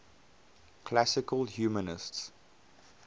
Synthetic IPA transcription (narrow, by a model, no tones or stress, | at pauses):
kʰlasɪkəlhjuːmənɪsts